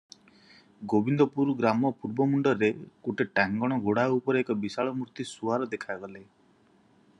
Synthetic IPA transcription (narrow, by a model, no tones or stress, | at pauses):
ɡobind̪ɔpuɾɡɾamɔpuɾbɔmuɳɖɔɾekoʈeʈaŋɡɔɽ̃ɔɡoɽaupɔɾeekɔbisaɭɔmuɾt̪isuaɾɔd̪ekʰajɡɔle